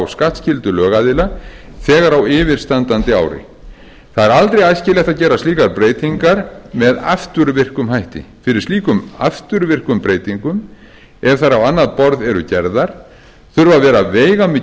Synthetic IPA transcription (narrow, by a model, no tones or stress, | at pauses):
wskaht̪scɪlt̪ʏlœːɣaðɪla | θɛːɣaɾawɪːvɪɾ̥st̪ant̪ant̪ɪa̰ːwɾɪ̰ | θaðɛɾalt̪ɾejajscɪlɛht̪aðcɛːɾast̪liːkaɾpɾeːjt̪iŋkaɾmɛða̰ft̪ʏɾvɪr̥kʏmhajht̪ɪ̰fɪɾɪɾ̥sliːkʏma̰ft̪ʏɾvɪr̥kʏmpɾeːjt̪iŋkʏm | ɛvθaɾawanːaðpɔɾðɛɾʏ̰cɛɾðaɾ̥ | θʏɾvavɛːɾaveːjɣamɪ